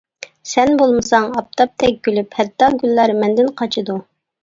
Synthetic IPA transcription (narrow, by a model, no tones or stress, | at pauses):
sɛnbolˠmɨsɑŋɑp̚t̪ʰɑp̚t̪ʰɛk̚ʲɡʲylyphɛt̪ʰːɑɡʲylːæɾmɛnd̪ɪnqʰɑt͡ʃʰɨd̪u